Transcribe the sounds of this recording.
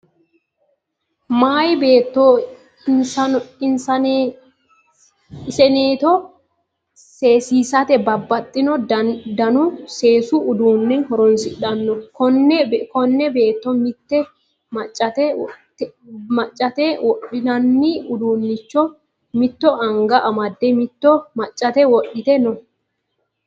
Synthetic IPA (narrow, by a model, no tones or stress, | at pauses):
maːjbeːt̪ːɔ | ɐɪnsɐn | sɛneːt̪ɔ | seːsiːsɐt̪ɛbɐbːɐt̪ʼːɪnɔɐd̪ɐnʊse̞ːsuʔʊd̪uːnːɛnhɔɾɔnsɪᶑɐnːɔkɔnːɛkɔnːɛbe̞ːt̪ːɔmɪt̪ːɛ | mɐt͡ʃʼːɐt̪ɛ | mɐt͡ʃʼːɐt̪ɛwɔɗɪnɐnːiʊd̪uːnːɪt͡ʃːɔ | mɪt̪ːɔʔɐŋɡɐʔɐmɐd̪ːɛmɪt̪ːɔmɐt͡ʃʼːɐt̪ɛwɔɗɪt̪ɛnɔ